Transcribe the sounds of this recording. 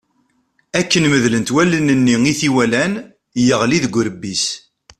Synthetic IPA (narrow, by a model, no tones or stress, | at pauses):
ækːənməðlənt̪wælənənːiŋiθiwælæn | jəʁliðɡʷəɾəbːis